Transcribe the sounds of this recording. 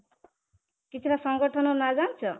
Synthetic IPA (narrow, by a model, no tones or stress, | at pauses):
kit͡sʰubasɔŋɡɔʈʰɔnɔɾnad͡zant͡ʃʰɔ